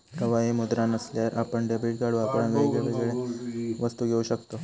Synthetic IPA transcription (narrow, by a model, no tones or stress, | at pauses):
pɾəʋaɦimud̪ɾanəsljaɾʔapəɳɖebiʈ̚ɡaɽuapəɳʋeɡɭeʋeɡɭɭeʋəst̪uɡʱeuːɕəkt̪o